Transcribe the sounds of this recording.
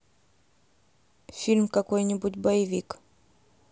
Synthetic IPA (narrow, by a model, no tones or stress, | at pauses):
filmkakwɛɲibut̪baivik